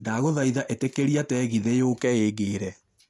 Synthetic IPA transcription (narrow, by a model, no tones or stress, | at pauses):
daɣoðaiðaʔetekeɾiatɛɣiðejokɛeːɣeːɾɛ